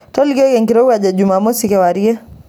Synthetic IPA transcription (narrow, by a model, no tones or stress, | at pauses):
tɔliɡɔkɛŋkiɾɔɡaʄaʄumamɔsikɛwaɾiɛ